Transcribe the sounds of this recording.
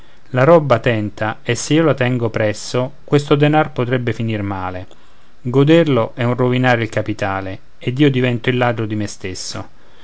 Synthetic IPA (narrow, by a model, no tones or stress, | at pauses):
laɾɔbːat̪ɛnt̪ʰaesːeiːolat̪ɛŋɡopɾɛsːokwest̪od̪enarpot̪ɾɛbːefinirmaːle | ɡod̪erloʔɛunrovinaːɾeilkapit̪aːle | ed̪iːod̪ivɛnt̪oilːaːd̪ɾod̪imest̪esːo̰